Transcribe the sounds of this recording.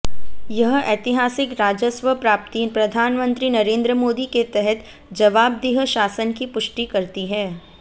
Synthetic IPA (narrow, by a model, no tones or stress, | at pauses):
jɐɦeːt̪ɪɦaːsɪkɾaːd͡ʒəsʋəpɾaːp̚t̪ipɾɐd̪ʱaːnmə̃nt̪ɾinɐɾẽːnd̪ɾəmoːd̪iket̪ɛɦɛt̪ | d͡ʒɐʋaːb̚d̪ɪɦəʃaːsənkipʊʃʈikɐɾt̪iɦɛː